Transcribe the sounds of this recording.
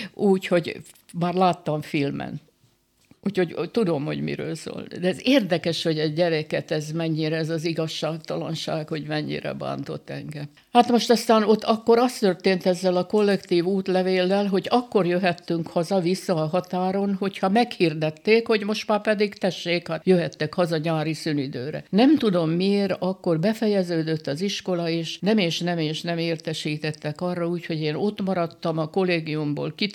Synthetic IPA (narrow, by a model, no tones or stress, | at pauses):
ʔuːcho̞ɟ | maːrlaːt̪ːɒɱfilmɛ̰n | uːcho̞ɟt̪ud̪o̞mho̞̰ɟmḭɾø̰ːlso̰ːld̪ɛzeːrd̪ɛkɛʃho̞ɟɛɟɟɛɾɛkɛt̪ɛzmɛɲːiɾɛːzɒziɡɒʃːaːkt̪ɒlɒ̰nʃa̰ːkho̞ɟmɛɲːḭɾɛ̰ba̰ːnt̪o̞̰t̪ːɛ̰ŋɡɛm | haːt̪mo̞ʃt̪ɒst̪aːno̞t̪ːɒkːo̞ɾɒst̪ørt̪eːnt̪ɛzːɛlɒko̞lːɛkt̪iːvuːt̪lɛveːlːɛlɦo̞ɟɒkːo̞rjøɦɛt̪ːyŋkhɒzɒvisːɒːɦɒt̪aːɾo̞nɦo̞chɒmɛkhird̪ɛt̪ːeːkho̞ɟmo̞ʃt̪maːpɛd̪iɡt̪ɛʃːeːkhajøɦɛt̪ːɛkhɒzɒɲaːɾisynid̪ø̰ːɾɛ̰nɛmt̪ud̪o̞mːieːɾɒkːo̞rbɛfɛjɛzøːd̪øt̪ːɒziʃko̞lɒeːʃnɛmeːʃnɛmeːʃnɛmeːrt̪ɛʃiːt̪ɛt̪ːɛkɒrːɒuːcho̞ɟeːno̞t̪mɒɾɒt̪ːɒmɒko̞leːɡiumbo̰ːlki